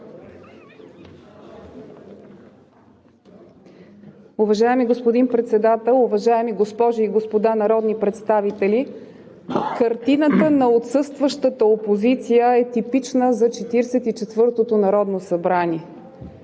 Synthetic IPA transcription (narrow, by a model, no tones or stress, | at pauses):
ʊvɐʒaɛmiɡospod̪inpɾɛt̪sɛd̪at̪ɛlˠʊvɐʒaɛmiɡospɔʒiiɡospod̪anɐɾɔd̪nipɾɛt̪st̪avit̪ɛli | kəɾt̪inət̪ənɐot̪sɤst̪vəʃt̪ət̪əopozit̪sijəɛt̪ipit͡ʃnəzɐt͡ʃɛt̪iɾɛsɛt̪it͡ʃɛt̪vɤɾt̪ot̪onɐɾɔd̪nosɐbɾanʲiɛ